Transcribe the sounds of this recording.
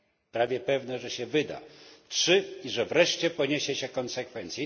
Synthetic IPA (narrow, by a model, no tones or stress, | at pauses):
pɾavʲjɛpɛvnɛʐɛɕɛvɘd̪a̰tʂɘiʐɛvɾɛʂt͡ɕɛpɔɲeɕɛɕɛkɔnsɛkfɛnt̪sʲi